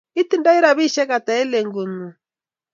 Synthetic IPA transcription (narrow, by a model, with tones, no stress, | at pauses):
i˦ti˦nda˦i˦ɾa˨βi˦ʃɛ˦ɣa˨ta˨ɛ˦le˨ŋɡu˨nu˨